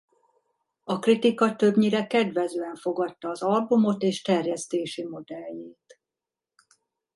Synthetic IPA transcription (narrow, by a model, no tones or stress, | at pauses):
ɒkrit̪ikɒt̪øbɲiɾɛkɛd̪ʋɛzøːɛɱfo̞ɡɒt̪ːɒːzɒlbumo̞t̪eːʃt̪ɛrjɛst̪eːʃimo̞d̪ɛlːeːt̪